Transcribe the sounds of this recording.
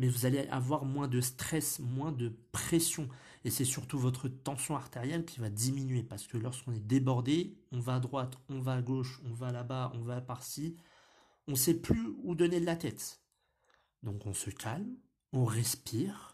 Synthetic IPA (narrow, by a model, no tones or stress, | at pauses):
mɛvuzaleʔa̰vwaʁmwɛ̃d̪əst̪χɛsmwɛ̃d̪əpχesjɔ̃ | esɛsyʁt̪uvɔt̪χət̪ɑ̃sjɔ̃aʁt̪eʁjɛlkʲivad̪iminɥepaʁsə̥kəlɔʁskɔ̃nɛd̪ebɔʁd̪eɔ̃vaːd̪ʁwat̪ɔ̃vaːɡoʃɔ̃valabaɔ̃vaːpaʁsi | ɔ̃sɛplyud̪ɔned̪lat̪ɛt̪ | d̪ɔ̃kɔ̃səkʲʰalm | ɔ̃ʁɛspiːʁ